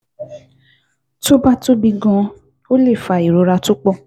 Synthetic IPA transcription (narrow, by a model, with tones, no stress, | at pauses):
to˦ba˦to˦bĩ˧ɡɔ̃˧ | o˦le˦˨fa˧˨i˨ɾo˨˧ɾa˧to˦k͡pɔ˦˨